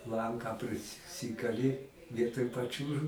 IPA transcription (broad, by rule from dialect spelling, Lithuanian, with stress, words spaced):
ˈlˠɐŋkɑː pʲrʲɪsʲˈsʲɪkɐlʲɪ ˈʋʲiɛtoːj pɐˈt͡ʃʲuːʒʊ